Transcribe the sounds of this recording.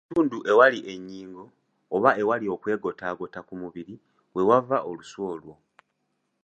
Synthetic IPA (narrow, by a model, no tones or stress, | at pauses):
tuːnduʔe̞waliʔe̞ɲːiːŋɡo̞ː | βae̞walio̞kwe̞ːɡo̞taɡo̞takumuβiɾi | we̞wavaʔo̞luswo̞ːlwo̞